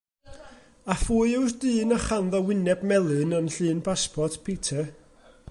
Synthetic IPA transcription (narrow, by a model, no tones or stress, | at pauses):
afuːɨɪwsd̥ɨːnaχanðɔwɪnɛbmɛlˠɨnənɬɨːnpʰaspʰɔtpʰetʰɛ